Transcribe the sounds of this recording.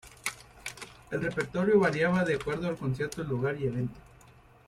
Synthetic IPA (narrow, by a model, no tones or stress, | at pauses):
e̞lrepe̞ɾt̪o̞ɾjo̞βaɾjaβaðeakwe̞ɾðoalko̞ns̬je̞ɾt̪oeluɣaɾie̞βe̞nt̪o̥